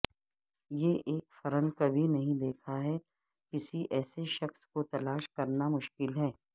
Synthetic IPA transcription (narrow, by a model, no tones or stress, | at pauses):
jeʔeːkfɐɾə̃nkɐbʱinɐɦĩd̪eːkʰaɦɛ | kɪsiʔɛːseʃɐxskot̪ɐlaːʃkɐɾnamʊʃkɪlɦɛː